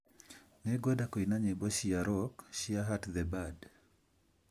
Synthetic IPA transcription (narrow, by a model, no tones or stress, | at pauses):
nɛɡɔdakoinaɲɛboʃɪaɾɔkʃɪaɦatðɛbad